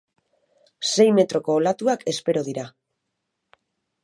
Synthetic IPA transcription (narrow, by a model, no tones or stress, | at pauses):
se̞jme̞t̪ɾo̞ko̞ːlat̪uakʰe̞spe̞ɾo̞ð̞iɾa